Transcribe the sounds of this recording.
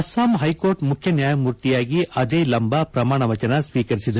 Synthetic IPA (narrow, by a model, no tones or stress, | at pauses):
ɐsaːmɦɐjkoːɾʈmukʰjɐnjaːjɐmuːɾt̪ijaːɡiʔɐd͡ʒɐjlɐmbɐpɾɐmaːɳɐʋɐt͡ʃɐnɐsʋiːkɐɾisid̪ɐ